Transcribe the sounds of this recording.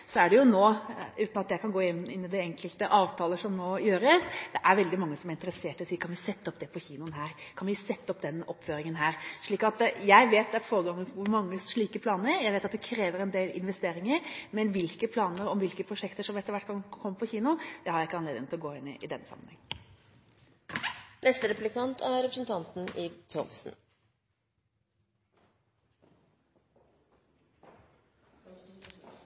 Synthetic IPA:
sɔæɖɛjʊnoːʉːt̪nɑt̪jæɪkʰɑnɡoːɪnːɪnːɪd̪ɛɛŋkəlt̪əʔɑːʋt̪ʰɑːləʂɔmnoːjøːɾəsd̪̥ɛʔæɾʋɛld̪ɪmɑŋːəsɔmæɾɪnt̪əɾəseːʈɪɔsiːkʰɑnʋɪsɛt̪ːəɔpd̪ɛpʰɔçiːnʊənɦæːɾkʰɑnʋɪsɛt̪ːəɔpd̪ɛnːɔpːføːɾɪŋənɦæːɾʂɭiːkɑt̪jæɪʋeːt̪d̪ɛæɾfoːɾəɡɑŋːənʋʊɾmɑŋːəsʂɭiːkəpʰlɑːnəɾjæɪʋeːt̪ɑt̪̚d̪ɛkʰɾeːʋəɾɛnd̪eːlɪ̰nʋɛst̪eːɾɪŋəɾmɛnʋɪlkəpʰlɑːnəɾɔmʋɪlkəpʰɾʊʂɛkt̪əʂɔmɛt̪ːəɾʋæʈːkɑnkʰɔmːəpʰɔçiːnʊd̪̥ɛhɑɾjæɪkːəɑnleːd̪ɪnɪlɔɡoːɪnːɪ̰ʔɪd̪ɛnːəsɑ̰mənhɛŋ̩ː | nɛst̪əɾɛpʉlɪkʰɑnt̪ʰæɾɛpɾəsn̩t̪ʰɑnt̪n̩ɪt̪ʰɔmsn̩

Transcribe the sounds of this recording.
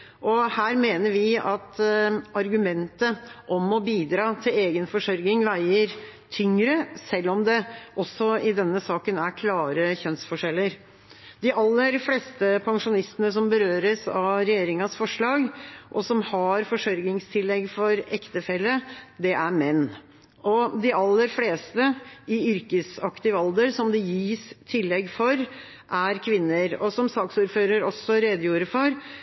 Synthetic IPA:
ʔɔhæːɾmeːnəɾʋɪɑt̪ɑɾɡʉmɛnt̪əʔɔmɔbiːd̪ɾɑːt̪ʰɪleːɡənfɔʂɔɾɡɪŋʋæɪəɾt̪ʰʏŋɾəsɛlːɔmd̪ɛʔɔsːɔɪd̪ɛnːəsɑːkənæɾkʰlɑːɾəçœnsfɔʂɛlːəɾ | d̪ɪʔɑlːəɾfleːst̪əpʰɑŋʂʊnɪst̪ənəsɔmbəɾøːɾəsɑʋɾɛjeːɾɪŋɑsfɔʂɭɑːɡʔɔsɔmhɑɾfɔʂœɾɡnɪŋst̪ʰɪlːɛɡfɔɾɛkt̪əfɛlːəd̪ɛʔæɾmɛnː | ʔɔd̪ɪɑlːəɾfleːst̪əɪʏɾkəsɑkt̪ɪʋɑld̪əɾsɔmd̪ɪjiːst̪ʰɪlːɛɡfɔɾ | ʔæɾkʰʋɪnːəɾɔsɔmsɑːksuːɾføːɾəɾɔsːɔɾeːd̪əjuːɾəfɔɾ

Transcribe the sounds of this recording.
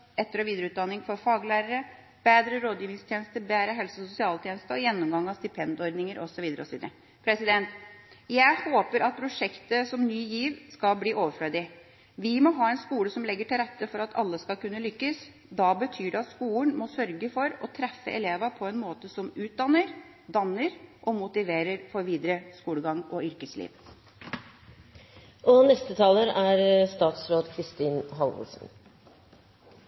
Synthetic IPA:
ɛt̪ːəɾɔʋiːd̪əɾəʉːt̪̚d̪ɑnːɪŋfɔɾfɑːɡlæːɾəɾə | b̥eːd̪ɾəɾoːd̪jiːʋɪŋst̪ʰjeːnəst̪əbæːɾəɦɛlsəɔsʊsɪɑːlt̪ʰjeːnəst̪əɔjɛnːʊmɡɑŋːɑst̪ɪpʰɛnd̪ɪɔɾd̪nɪŋəɾʔɔ̰sɔʋiːd̪əɾəɔsɔʋiːd̪əɾə | pʰɾɛsɪd̪ɛnt̪ | jæɪhoːpəɾʔɑt̪̚pʰɾʊʂɛkt̪əsɔmnyːjiːʋskɑlbliːʔoːʋəfɽød̪ɪ | ʋɪmɔɦɑːɛnskuːləsɔmlɛɡːəʈʰɪlɾɛt̪ːəfɔɾɑt̪ʰɑ̰lːəskɑlkʉnːəlʏkːəs | d̪ɑbət̪ʰyːɖɛɑt̪skuːləɳmɔsœɾɡəfɔɾɔt̪ʰɾɛfːə̰ʔɛ̰leːʋɑpʰɔɛnmoːt̪əsɔmʉːt̪̚d̪ɑnəɾ | d̪ɑnːəɾʔɔmʊt̪ɪʋeːɾəɾfɔɾʋiːd̪ɾəskuːləɡɑŋɔʏɾkəslḭːʋ | ʔɔnɛst̪ət̪ʰɑːləɾæɾst̪ɑːt̪sɾoːd̪kʰɾɪst̪iːnɦɑlʋə̰lsn̩

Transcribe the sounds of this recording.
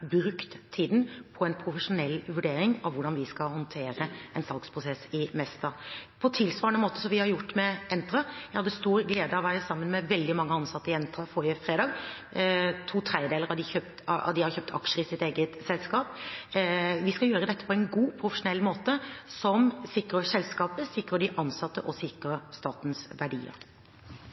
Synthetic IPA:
bɾʉkt̪ʰːiːd̪npʰɔɛnpʰɾʊfəʂʊnɛlːʋʉɖeːɾɪŋɑʋʊɖɑnʋɪskɑhɔnt̪ʰeːɾəʔɛnsɑlɡspʰɾʊsɛsɪmɛst̪ɑpʰɔt̪ʰɪlsʋɑːɾəɳəmoːt̪əsɔmʋɪhɑɾjʊʈːmɛɛnt̪ɾɑjæɪhɑd̪əst̪uːɾɡleːd̪əɑʋæːɾəsɑmːənmɛʋɛld̪ɪmɑŋːəɑnsɑt̪ːəɪɛnt̪ʰɑfɔɾəfɾeːd̪ɑːɡ | t̪ʰuːt̪ʰɾeɪd̪eːləʁɑd̪ɪçøp̚t̪ɑ̰d̪ɪhɑɾçœːp̚t̪ʰɑ̰kʂəɾəɪsɪt̪eːɡət̪sɛlskɑːp | ʋɪskɑjøːɾəd̪ɛt̪ːə̥pʰɔɛɪnɡuːpʰɾʊfəʂʊnɛlːmoːt̪əsɔmsɪkɾəsɛlskɑːpəsɪkːɾəɖ̪ɪʔɑnsɑt̪ːəʔɔsɪkɾəst̪ɑːt̪n̩sʋæɖḭːə̰ɾ

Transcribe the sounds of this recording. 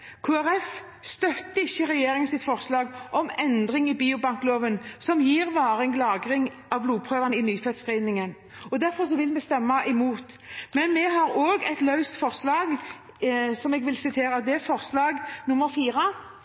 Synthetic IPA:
kʰuːæɾɛf | st̪œt̪ːəɪçːəʁɛjeːɾɪŋənsɪt̪fɔɾslɑːɡʔɔmɛnd̪ɾɪŋɪbiːʊbɑŋkloːʋənsɔmjiːɾʋɑːɾəɛŋɡlɑːɡɾɪŋ | ɑʋbluːpʰɾøːʋənɪnyːfɛt̪sʁɛɪnɪŋən | ɔd̪æɾfɔɾs̬ɔʋɪlmɛst̪ɛmːɑʔɛmuːt̪ | mɛnmɛɦɑɾoːɡɛt̪lɑʉst̪fɔʁslɑːɡ | sɔmɛːɡʋɪlsɪt̪ʰeːɾəd̪ɛfɔʁslɑːɡnʊmːəɾfiːɾə

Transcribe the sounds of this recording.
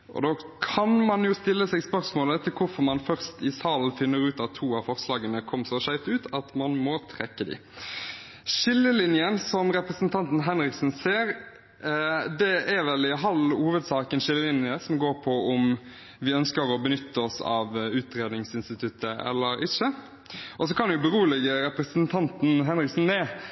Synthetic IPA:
ʔɔ̰d̪oː | kʰɑnmɑnjʊst̪ɪlːəsɛɡspœɾsmoːlət̪ʰɪlkʰʊfɔɾmɑnfœɾst̪ɪsɑln̩fɪnːəɾʉːt̪ɑtt̪ʰːuːɑʋfɔʁslɑːɡənəkʰɔmːsɔʃæɪft̪ʉːt̪ʰɑt̪mɑnmɔt̪ʰɾɛkːəd̪ɪ̰ | ʃɪlːəlɪnjənsɔmɾɛpɾəsənt̪ʰɑnt̪n̩ɦɛnɾɪksn̩seːɾ | d̪ɛæɾʋɛlɪɦɑluːʋəd̪sɑːkənʃɪlːəlɪnjəsɔmɡoːɾpʰɔʊm | ʋɪœnskəɾɔbənʏt̪ʰːəɔsɑ̰ʋʉːt̪ɾeːd̪nɪŋsɪnst̪ɪt̪ʰʉt̪ʰːəɛ̰lːəɾɪçːə | ʔɔs̬ɔkʰɑnd̪jʊbəɾuːlɪɡəɾɛpɾəsənt̪ʰɑnt̪n̩ɦɛnɾɪksn̩mɛː

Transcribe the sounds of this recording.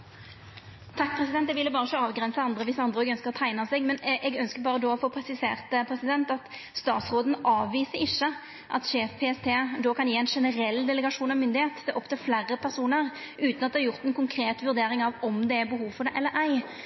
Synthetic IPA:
t̪ʰɑkːpʰɾɛsɪd̪ɛnt̪d̪ɛɡʋɪlːəbɑːɾəɪçəɑːʋɡʁɛnsəɑnd̪ɾəʋɪsɑnd̪ɾəɔɛɡœnskəɾɔt̪ʰæɪnɑsɛɡmɛnʔɛɡœnskəbɑːʁəd̪oːɔfoːpʰʁɛsɪsḛːʁt̪əpʰɾɛsɪd̪ɛnt̪ɑt̪ | st̪ɑ̰ːt̪sʁoːd̪n̩ɑːʋːiːsəɾɪʃːə | ʔɑ̰t̪ʂeːfpʰeːɛst̪ʰeːd̪oːkʰɑnjiːæɪnʂɛnəɾɛlːd̪ɛləɛɡɑʂuːnɑmʏnd̪ɪheːt̪d̪ɛʔɔpt̪ʰɛflæʁːəpʰæʁsuːnəʁ | ʔʉːt̪nɑt̪d̪ɛhɑɾjʊʁt̪ɛnkʊŋkʰɾeːt̪ʋʉɾd̪eːɾɪŋɑʋɔmd̪ɛæbəɦuːʋfɔd̪ɛʔɛlːəʔæɪ

